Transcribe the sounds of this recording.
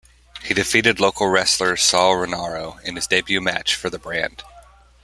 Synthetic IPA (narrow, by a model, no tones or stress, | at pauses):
hidɨfiɾɨdˡloʊkʰl̩ˠɹɛslə˞sɑlˠɹɨnɑɹoʊɨ̃nɨzdeɪbjʉmæ̰t͡ʃfə˞ðəbɹæ̰̃nd̥